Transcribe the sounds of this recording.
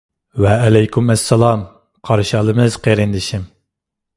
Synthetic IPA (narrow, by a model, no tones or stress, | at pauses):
wɛːlɛjkʰʲumæsːɛlˠɑm | qʰɑɾʃɑlˠɨmɨz̥qʰeɾɪnd̪ɪʃim